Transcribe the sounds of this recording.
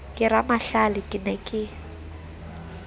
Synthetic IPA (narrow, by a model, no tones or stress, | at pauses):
kʼɪramaɬalɪkʼɪnɛkʼɪ